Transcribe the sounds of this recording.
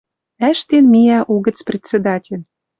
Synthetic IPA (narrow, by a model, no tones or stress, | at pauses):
æʃt̪enmijæʔuɣə̆t͡sprʲet͡sed̪ɑtʲelʲ